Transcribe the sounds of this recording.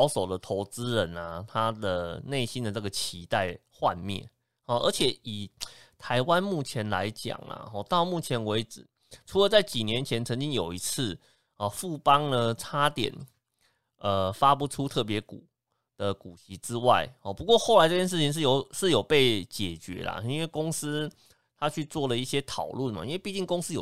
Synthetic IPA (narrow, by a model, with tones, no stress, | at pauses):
ʊso˨˩ʊd̪ə˨t̪ʰo˧˥ʊt͡sɹ̩˦ɻə˧˦na˨t̪ʰa˥d̪ə˨ne˥˩ɪɕi˦˥nd̪ə˨nə˥˩ɡə˩t͡ɕʰi˧˥t̪a˥˧ɪxwa˥˧nmjɛ̰˥˩n | hɔ˥˩ʔə̰˞˧˥t͡ɕʰjɛ˨˩i˨˩t̪ʰa˧˦ɪwa˦nmu˥˩t͡ɕʰjɛ˧˥˦nla̰˧˦ɪt͡ɕja̰˨˩ŋla̰˨˩xɔ̰˥˧˩t̪ɑ˥˧ʊmu˥˩t͡ɕʰjɛ˧˥nwe˧˥ɪʈ͡ʂɻ̩˨˩ | ʈ͡ʂʰu˧˥lə˨˧t͡sa˥˩ɪt͡ɕi˨˩njɛ˧˦nt͡ɕʰjɛ˧˦nt͡sʰə˧˥nt͡ɕi˦ŋjo˨˩ʊi˧˥t͡s̩ʰ˥˩ | ɔ˨˩fu˥˩pɑ˦ŋd̪ə˨ʈ͡ʂʰa˥t̪jɛ̰˨˩˦n | ə˨fa˦p̬u˧˥ʈ͡ʂʰu˦t̪ʰɤ˥˩p̬jɛ˧˥ku˨˩ | d̪̥ə˨˩ku˨˩ɕi˧˥ʈ͡ʂɻ̩˦˥wa̰˥˩ɪhɔ˩pu˧˥kwɔ˥˧xo˥˩la˧˦ɪʈ͡ʂɤ˥˧t͡ɕjʂɻ̩˥˩t͡ɕʰi˧ŋʂ̬̩˥˩jo˨˩ʊʂɻ̩˥˩jo˨˩ʊpe˥˩ɪt͡ɕjɛ˨˩t͡ɕɥɛ̰˧˥la̰˨i˥nwe˥˩ɪko˥ŋs̩˥ | t̪ʰa˥t͡ɕʰy˥˧t͡swɔ˥˩lə˩i˥˩ɕjɛ˥t̪ʰɑ˨˩ʊlu˥˩nma̰˨˩ḭ˦nwe˥˧ɪpi˥˧t͡ɕi˥˩ŋko˥ŋs̩˥jo˨˩